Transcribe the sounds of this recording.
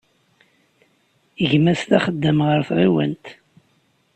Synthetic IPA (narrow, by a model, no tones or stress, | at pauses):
əʝmæst̪æχəd̪ːəmʁəɾθɾiwə̰nt̪